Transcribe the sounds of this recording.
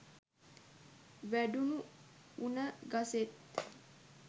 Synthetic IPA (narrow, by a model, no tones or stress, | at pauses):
ʋæɖunuunəɡaset̪